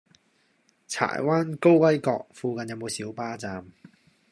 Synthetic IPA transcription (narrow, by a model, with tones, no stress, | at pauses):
t͡sʰa̰ː˨˩jwaː˥nko˥wwɐ˥jkɔː˧k̚fuː˧kɐ˧njɐ˨˧wmo˨˧wsiː˨˥wpaː˥t͡saː˧m